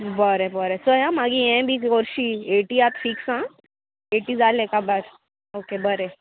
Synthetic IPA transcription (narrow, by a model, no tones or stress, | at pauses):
bəɾebəɾesəɦãmaɡiɛ̃bʱikoɾʃieʈiat̪fʰiːksã | eʈid͡zalẽkabəɾ | okebəɾe